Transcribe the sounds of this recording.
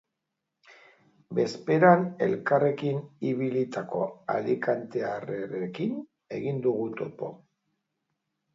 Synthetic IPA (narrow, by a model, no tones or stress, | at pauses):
be̞spe̞ɾane̞̰lkare̞kiniβilit̪ako̞a̰likant̪e̞areɾekin | e̞̰ɣind̪uɣut̪opo̞̰